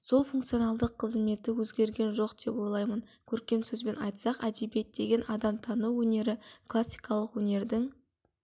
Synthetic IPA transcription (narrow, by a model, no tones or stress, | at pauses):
so̞lˠfuŋkt̪sijonɑlˠd̪əqʰːəzme̞t̪ɪwɵzɡʲe̞ɾɡʲe̞nʒo̞qd̪̥e̞pwo̞jlˠɑjmənkʲʰɵɾkʲe̞msɵzbe̞nɑjt̪sɑqæd̪ebet̪̚d̪e̞ɡʲe̞nʔɑd̪ɑmt̪ʰɑnuwwɵne̞ɾɪklˠasːi̥jkɑlˠəqwɵne̞ɾd̪ɪŋ